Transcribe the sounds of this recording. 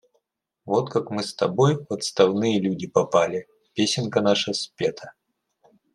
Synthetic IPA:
vot̪kakmɨst̪ɐbojpɐt̪st̪ɐvnɨjəlʲudʲɪpɐpalʲɪ | pʲesʲɪnkənaʂəsʲpʲet̪ʰə

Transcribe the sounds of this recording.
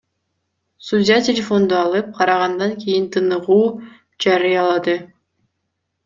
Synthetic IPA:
sudʲjatʲelʲefo̞nd̪uɑlˠɯp̚qʰɑɾɑʁɑnd̪ɑŋkʲejint̪ʰɯnɯʁuː | d͡ʒɑɾɯjɑlˠɑd̪ɯ

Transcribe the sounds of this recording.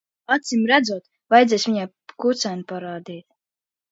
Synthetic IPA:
at̪simɾæd̪zuɔt̪ | vajd̪zʲɛjsvʲiɲa | kut̪sænpaɾaːd̪iːt̪

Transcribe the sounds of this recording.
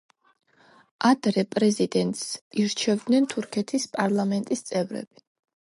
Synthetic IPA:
ʔad̪̥ɾɛpʼɾɛzid̪ɛnt̪ʼsiɾt͡ʃʰɛvd̪nɛnt̪ʰuɾkʰɛt̪ʰispʼaɾlˠamɛnt̪ʼist̪sʼɛvɾɛ̰b̥i

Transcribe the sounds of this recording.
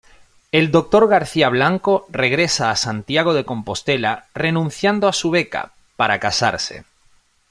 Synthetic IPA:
e̞ld̪o̞k̚t̪o̞ɾɣ̞aɾθiaβ̞laŋko̞re̞ɣ̞ɾe̞saːsant̪jaɣ̞o̞ð̞e̞ko̞mpo̞st̪e̞lare̞nũn̟θjand̪oasuβ̞e̞ka̰ | paɾakasa̰ɾse̞̰

